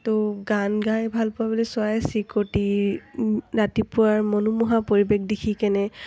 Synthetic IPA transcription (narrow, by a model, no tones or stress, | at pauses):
tʊɡanɡãjbʱalpʊabolisʊajsikoti | ɹatipʊaɹmɔnumuɦapoɹibek̚dikʰikɛnɛ